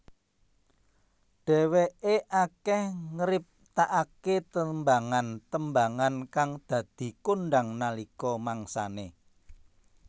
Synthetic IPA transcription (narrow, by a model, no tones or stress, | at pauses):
ɖ̥ɛ̤weʔeʔakɛhŋəɾɪp̚t̪aʔaket̪əmbaŋant̪əmbaŋankaŋd̪̥ä̤d̪̥i̤kunɖaŋnalikɔmaŋsa̰ne